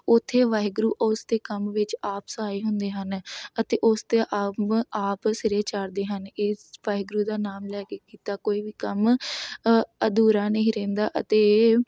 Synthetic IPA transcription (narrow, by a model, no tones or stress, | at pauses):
ʊt̪ʰːeːʋaːɡɾuːʔʊsd̪eːkəmʋɪt͡ʃaːpsəaːiːɦʊnd̪eːɦənət̪eːʔʊst̪eːʔaːaːpsɪɾeːt͡ʃaɾd̪eːɦəneːsʋaːɪɡɾuːd̪aːnaːmlɛːkeːkiːt̪aːkoːiːʋiːkəm | əd̪uːɾãːnəĩːɾẽːnd̪aːʔə̰t̪eː